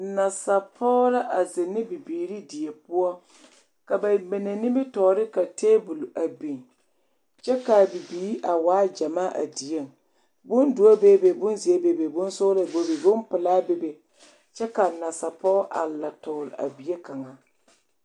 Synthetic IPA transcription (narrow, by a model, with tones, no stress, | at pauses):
na˨sa˨pʰɔː˦la˦ʔa˨zɪ˨nɪ˦bi˨biː˨ɾi˦di˨je˨pʊ˦ɔ˦ | ka˨ba˨me˨ne˨nɪ˦mbɪ˦tɔː˨ɾɪ˦ka˨teː˦bu˨lʔa˨bi˨n | t͡ʃɛ˦ka˨bi˨biː˨˦ʔa˨waː˦d͡ʒa˨maː˦ʔa̰˨di˨je˦˨ŋ | bʊ˦ndu˨˦a˦beː˦be˨bʊ˦nzi˨e˦be˨be˨bʊ˦n˦sʊ˦la˨bo˨bi˨bʊ˦mpɪ˨laː˦be˨be˨ | t͡ʃɛ˦ka˨na˨sa˨pɔ˦ʔa̰˨la˨tɔ˨ɾɪ˨a̰˨bi˨je˦ka˨ŋa˨